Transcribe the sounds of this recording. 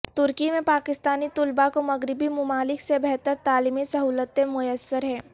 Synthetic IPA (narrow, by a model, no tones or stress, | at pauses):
t̪ʊɾkimẽpaːkɪst̪aːnit̪ʊlbakomɐɡɾɪbimʊmaːlɪksebɛɦt̪əɾt̪aːliːmisɐɦuːlət̪ẽmʊjəsːəɾɦɛ̃ː